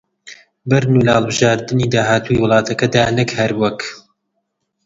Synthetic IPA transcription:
bɐɾnulɐhɐlˠbɨʒaːɾd̪ɨniːd̪aːhaːt̪ʰuːjwʊlˠɑːt̪ʰɐkɐd̪aːnɨkhɐɾwɐk

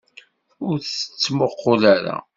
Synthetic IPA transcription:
ʊɾθə̥t͡sːməqːolaɾa̰

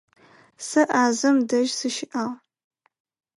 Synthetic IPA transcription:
sɨʔaːzɨmdɐʒsɨʃɪʔaʁ

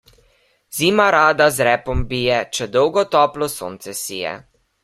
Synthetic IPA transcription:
z̥iːmaɾaːd̪azɾɛːpɔmbijɛt͡ʃɛd̪ɔwɡɔt̪ɔːplɔso̰ːnt̪sɛsijɛ̰

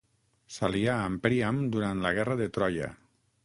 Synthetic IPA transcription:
saliaːmpɾiamd̪uɾant̪laɣɛrəðet̪ɾɔjə̰

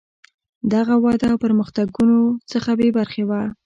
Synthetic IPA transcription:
d̪aɣawɑd̪apəɾməxt̪aɡunot͡səxabebaɾxewa

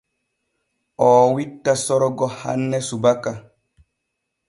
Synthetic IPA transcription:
ʔɔːwitːasɔɾɔɡɔha̰nːɛsubaka

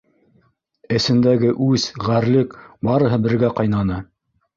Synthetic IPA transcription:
ɘ̆sɘ̆nd̪æɡɘʔʉzʁæɾlɘkbɑɾɤ̆ɦɤbɘ̆ɾɡæqɑjnɑnɤ

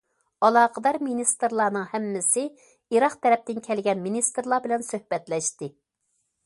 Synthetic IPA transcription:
ɑlˠɑːqʰəd̪ɑɾminist̪ɨɾlˠɑːnɨŋhɛmːɪsɪ | iɾɑχt̪ʰɛɾɛp̚t̪ɪnkʲʰɛlɡʲɛnminist̪ɨɾlˠɑbɪlɛnsøhbɛt̪lɛʃt̪ɪ

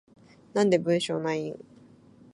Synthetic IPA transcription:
nãnd̪e̞bɯ̟̃ɰ̃ɕoːnaĩŋ

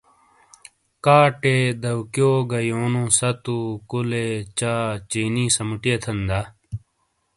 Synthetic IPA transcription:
kaːʈeːd̪ɐwkjoːɡɐjoːnũːsɐt̪ukulet͡ɕaːt͡ɕiːnĩːsɐmuʈijet̪ʰɐnd̪a

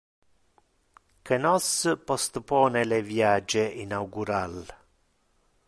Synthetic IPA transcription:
kenɔspɔst̪pɔːnelevjaːd͡ʒeʔinauɡuɾal

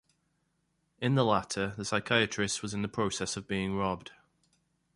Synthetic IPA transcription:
ɪ̃nðəlatʰəðəsaɪkʰaɪət͡ʃɹ̥ɪstwɒzɪ̃nðəpʰɹ̥oʊsɛsəvbiːɪ̃ŋɹɒb̚d̥

